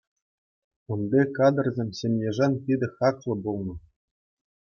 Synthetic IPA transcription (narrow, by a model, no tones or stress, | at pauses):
unbʲekɑd̪ɤ̆rzʲemʲsʲemʲnʲeʐɑnʲt̪ʲid̪ʲɘ̆xɑklˠɤ̆bulˠnɤ̆